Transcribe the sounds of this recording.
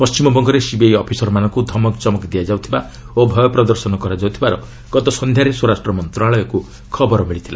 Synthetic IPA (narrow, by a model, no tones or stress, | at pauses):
pɔst͡ʃimɔbɔŋɡɔɾesibejɔpʰisɔɾmanɔŋkud̪ʱɔmɔkt͡ʃɔmɔkd̪ijad͡ʒawt̪ʰiba | obʱɔjɔpɾɔd̪ɔɾsɔnɔkɔɾad͡ʒawt̪ʰibaɾɔ | ɡ̥ɔt̪ɔsɔnd̪ʱjaɾeswoɾasʈrɔmɔnt̪ɾɔaɭɔjɔku | kʰɔbɔɾɔmiɭit̪ʰila